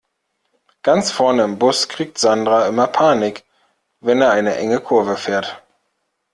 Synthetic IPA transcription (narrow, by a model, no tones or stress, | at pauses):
ɡ̥ant͡sfɛɐnəɪmbʊskʁ̥iːk̚tz̥andʁaʔɪmɐpʰaːnɪk | vɛneːɐʔaɪnəʔɛ̰ŋəkʰʊɐvəfeːɐt